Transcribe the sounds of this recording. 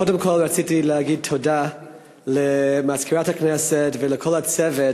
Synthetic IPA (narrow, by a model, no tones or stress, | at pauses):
odemkʰolɹat͡sitileaɡid̚tʰoda | lemaskʰiɾathaknɛsetvelekʰolat͡sɛve